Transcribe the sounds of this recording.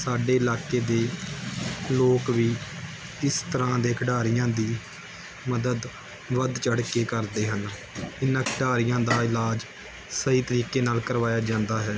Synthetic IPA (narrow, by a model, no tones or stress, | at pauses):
saːɖeːɪlaːkeːd̪eː | loːkʋiː | ɪst̪əɾãːd̪eːkʰɖaːɾɪjãːd̪iː | məd̪əd̪ | ʋəd̪t͡ʃəɽkeːkəɾd̪eːɦən | ɪnãːkʰɖaːɾɪjãːd̪aːɪlaːd͡ʒ | səɦiːt̪əɾiːkeːnaːlkəɾʋaːjaːd͡ʒãːnd̪aːɦɛː